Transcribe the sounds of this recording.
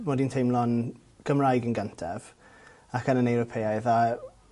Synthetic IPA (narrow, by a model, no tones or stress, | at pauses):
mɔːdintʰejmlˠɔn | ɡ̥əmrajɡənɡəntʰɛv̥ | akənənɛwɾɔpʰeajða